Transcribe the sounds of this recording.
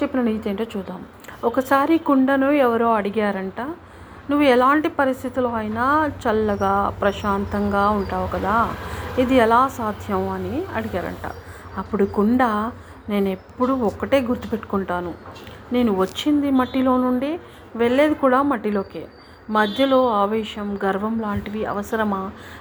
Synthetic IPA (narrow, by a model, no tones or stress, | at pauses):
epːinɐniɡt̪eːɳʈoːt͡ʃuːd̪ːaːmu | ɔkɐsaːɾikuɳɖɐnuɛʋɐɾoːɐɽiɡaːɾɐɳʈaː | nuʋːuɛlaːɳʈipɐɾist̪ʰit̪uluɐjɐnaːt͡ʃɐlːɐɡaːpɾɐʃaːnt̪ɐŋɡaːuɳʈaːʋukɐd̪aːid̪iɛlaːsaːd̪ʱjɐmɐniɐ̰ɽiɡaːɾɐ̰ɳʈa̰ː | ɐpːuɽukuɳɖaː | ne̞ːnepːuɽuɔkːɐʈe̞ːɡuɾt̪upe̞ʈːu̥kuɳʈaːnune̞ːnuʋɐt͡ʃːind̪imɐʈːilo̞ːnuɳɖi | ʋe̞ɭːe̞ːd̪ikuːɽaːmɐʈːilo̞ːke̞̰ː | mɐd̪ʱjɐlo̞ːaːʋɛːʃɐmɡɐɾʋɐmlaːɳʈiʋiɐ̰ʋɐsɐɾɐma